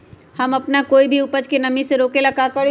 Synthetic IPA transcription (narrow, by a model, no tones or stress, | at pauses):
hɐmɐpnakoːibʱiʊpəd͡ʒkenɐmiseɾoːkelɐkakɐɽ